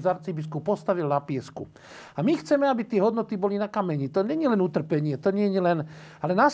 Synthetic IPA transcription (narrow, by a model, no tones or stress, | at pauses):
zaɾt͡sibiskupɔst̪aʋilnapɪɛskṵ | amixt͡sɛmɛabit̪ɪɛɦɔd̪nɔt̪ibɔlinakamɛɲit̪ɔɲɛɲilɛnut̪r̩pɛɲɪɛt̪ɔɲɪɛɲilɛnalɛnas